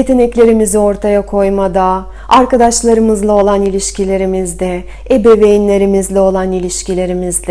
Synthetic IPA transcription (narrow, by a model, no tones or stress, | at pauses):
jet̪ʰe̞nɛclʲe̞ɾimizio̞ɾt̪ʰajakʰo̞jmad̪a | aɾkad̪aʃlˠaɾɯmɯzlˠao̞lˠanilʲiʃcʰilʲe̞ɾimizd̪ɛ | ebeve̞jinlʲe̞ɾimizlʲɛo̞lˠanilʲiʃcilʲe̞ɾimizd̪ʲɛ